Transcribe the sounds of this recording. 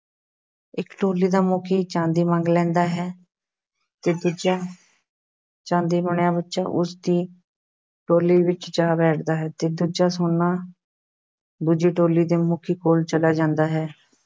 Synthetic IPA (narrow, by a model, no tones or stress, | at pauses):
ɪkːʈoːliːd̪aːmoːkʰiːt͡ʃãːnd̪iːmãŋɡlɛ̃ːnd̪aːɦɛː | t̪eːd̪uːd͡ʒaː | t͡ʃãːnd̪iːməɳjãːbətːʃa̰ːʔʊsd̪iː | ʈoːliːʋɪt͡ʃd͡ʒaːbɛːʈʰd̪aːɦɛːt̪eːd̪uːd͡ʒaːsoːnːaː | d̪uːd͡ʒiːʈoːliːd̪eːmʊːkʰiːkoːlt͡ʃəlaːd͡ʒãːnd̪aːɦɛː